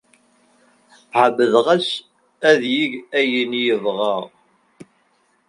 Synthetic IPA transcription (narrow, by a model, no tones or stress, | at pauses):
ʕəbəðʁæs | æðjiʝæjənjəvʁɑʁ